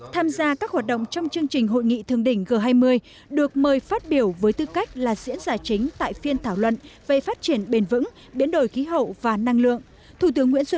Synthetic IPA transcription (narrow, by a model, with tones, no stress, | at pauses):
t̪ʰaː˧mzaː˧kaː˦˥k̚hwaː˨˩t̚ɗə̰˧˨wŋ͡mt͡ɕɔ˧wŋ͡mt͡ɕɨ˧əŋt͡ɕï˨˩ŋ̟ɦo̰˧˨jŋḭ˧˨t̪ʰɨ˨˩əŋɗï˧˩ŋ̟ɣəː˨˩ɦaː˧jmɨ˧əj | ɗɨ˨˩ək̚məː˨˩jfaː˦˥t̚ɓi˧˩əwvəː˨˦jt̪ɨ˧ka˦˥jk̟̚laː˨˩zḭ˧˥ənzaː˨˩t͡ɕï˨˦ŋ̟t̪a̰ː˧˨jfi˧ənt̪ʰaː˧˩wlwə̰˧˨nvḛ˧˨faː˦˥t̚t͡ɕi˧˩ənɓe˨˩nvɨ̰˧˥ŋ | ɓi˨˥ənɗo˧˩jxi˨˦ɦə̰˧˨wvaː˨˩na˧ŋlɨ̰˧˨əŋ | t̪ʰu˧˩t̪̬ɨ˨˦əŋːwḭ˧˥ənswə˧